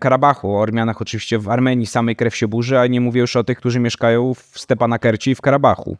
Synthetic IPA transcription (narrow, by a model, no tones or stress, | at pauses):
kaɾabaxuɔɔɾmʲjanaxɔt͡ʂɨvʲiɕt͡ɕɛvaɾmɛɲisamɛjkɾɛfʲɕɛbuʐɛaɲɛmuvʲɛjuʂɔt̪ɘxkt̪uʐɘmʲjɛʂkajɔ̃w̃fst̪ɛpanakɛɾt͡ɕiifkaɾabaxṵ